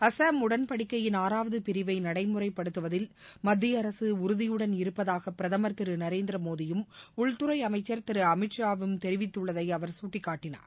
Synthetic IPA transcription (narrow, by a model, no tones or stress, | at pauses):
ɐsɐmʊɽɐnpɐɽɪkːɐjɪnaːɾaːʋɐðɯpɪɾɪʋɐɪnɐɽɐɪmɯrɐɪpːɐɽɯt̪ːɯʋɐðɪlmɐd̪ːɪjɐɾɐsɯʊɾɯðɪjɯɽɐnɪɾɯpːɐðaːɣɐpːɪɾɐðɐmɐɾt̪ɪɾɯnɐɾeːnd̪ɪɾɐmoːðɪjɯmʊɭt̪ʊɾɐɪɐmɐɪt͡ʃːɐɾt̪ɪɾɯɐmɪʈʂaːʋɯmt̪ɛɾɪʋɪt̪ːɯɭːɐðɐɪɐʋɐɾsuːʈːɪkːaːʈːɪna̰ːɾ